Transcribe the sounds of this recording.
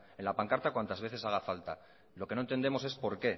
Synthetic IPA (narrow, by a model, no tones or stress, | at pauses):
e̞nlapaŋkaɾt̪akwant̪azβ̞e̞θesaɣ̞afalt̪a | lo̞kenont̪e̞nd̪e̞mose̞spo̞ɾke̞